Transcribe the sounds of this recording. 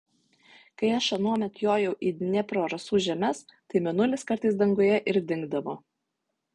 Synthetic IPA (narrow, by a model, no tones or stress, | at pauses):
kɐɪɐʃɐnuɔmʲɛt̪ʲjoːjɛʊʔiːnʲɛpɾoːɾɐsuːʒʲɛmʲɛst̪ɐɪmʲɛnʊlʲɪskɐɾˑt̪ɐɪsd̪ɐŋɡoːjɛʔɪɾd̪ʲɪŋɡ̚d̪ɐʋoː